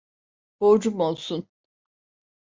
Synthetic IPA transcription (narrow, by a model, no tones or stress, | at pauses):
b̥od͡ʒumo̞lˠsun